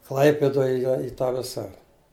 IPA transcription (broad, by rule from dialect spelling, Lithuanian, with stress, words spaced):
ˈklˠɐɪpʲɪdoːj ˈjoː ɪ tɑː ˈʋʲɪsɐ